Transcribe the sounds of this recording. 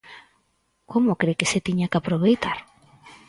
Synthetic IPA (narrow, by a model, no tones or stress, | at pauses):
komokɾekeset̪iɲakapɾoβejt̪aɾ